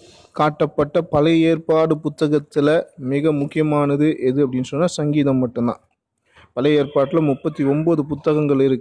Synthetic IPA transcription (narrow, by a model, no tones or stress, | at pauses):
kaːʈːɐpːɐʈːɐpɐlɐjeːɾpaːɽɯpʊt̪ːɐɣɐt̪ːɪlɐmɪɣɐmʊkːɪjɐmaːnɐðɯʔɛðɯɐpːɐɽɪnːɯsɔnːasɐŋɡiːðɐmːɐʈːɯmd̪ã̰ː | pɐlɐjeːɾpaːʈːɪlɐmʊpːɐt̪ːiɔmboːðɯp̬ʊt̪ːɐɣɐŋɡɐɭɪɾɯkː